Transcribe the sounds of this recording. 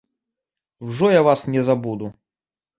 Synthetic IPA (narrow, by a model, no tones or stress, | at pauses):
wʐɔjavasnʲɛzabud̪u